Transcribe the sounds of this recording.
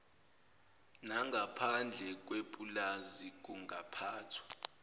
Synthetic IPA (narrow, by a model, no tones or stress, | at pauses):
naŋɡʱapʰand͡ɮʱɛk̬ʼwepʼulazik̬ʼuŋapʰaːtʰwḁ